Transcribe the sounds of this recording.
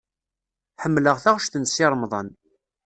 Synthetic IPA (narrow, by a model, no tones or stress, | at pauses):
ħəmːləʁθaʁʃθənsɪɾˤmðˤən